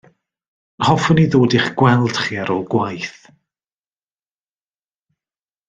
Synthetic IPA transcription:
hɔfɔniðoːdɪχɡ̥wɛlˠd̥χiːaɾɔlˠɡwajθ

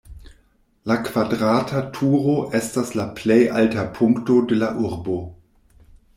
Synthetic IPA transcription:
lakv̥adʁaːtʰatʰuːʁoʔɛstaslapʰlejʔaltapʰʊŋktodelaʔuʁbo

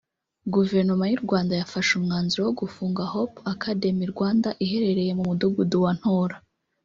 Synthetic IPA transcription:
ɡuve̞ɾno̞majuɾɡwaːndajafaʃumŋaːnzuɾowoɡufuːŋɡahopakʰade̞miɾɡwaːndaʔiɦe̞ɾe̞ɾe̞je̞mumuduɡuduwan̥hoːɾa

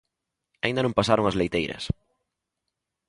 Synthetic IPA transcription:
aĩnd̪ɐnõŋmpasaɾoŋɐzlejt̪ejɾɐ̰s

